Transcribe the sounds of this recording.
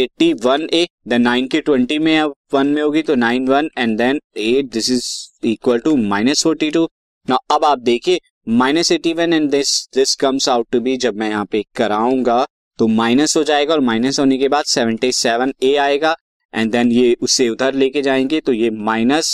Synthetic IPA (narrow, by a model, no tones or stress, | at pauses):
eːʈiʋɐneːd̪ɐnãːɪ̃nkiʈwɛ̃ɳʈimẽʋɐ̃nmẽɦoːɡit̪onãːɪ̃nʋɐ̃nɛ̃nɖd̪ɛ̃neːd̪ɪsɪziːkwəlʈumaːɪnəsfɔːɾʈiʈu | naʔɐbaːp̚d̪eːkʰieː | maːɪnəseːʈiʋɐ̃nɛ̃ɳd̪ɪsd̪ɪskɐ̃mzaʊʈːubʱid͡ʒɐb̚mɛ̃jɐɦãːpekɐɾaːũːŋɡa | t̪omaːɪnəsɦod͡ʒaːeɡaɔːɾmaːɪnəsɦoːnekebaːd̪sɛʋə̃ɳʈisɛʋə̃neːaːeːɡa | ɛ̰̃ɳd̪ɛ̃njeʊsːeʊt̪əɾleːked͡ʒãːẽːŋɡet̪ojemaːɪnəs